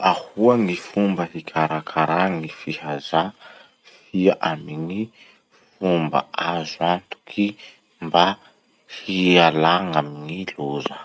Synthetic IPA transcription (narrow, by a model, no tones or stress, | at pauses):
ahuaŋifumbəhikʲʰaɾakʰaɾaŋifihaza | fiaʔamiŋi | fumba̰azuant̪u̥kʰi | mba | hialaŋamiŋiluzə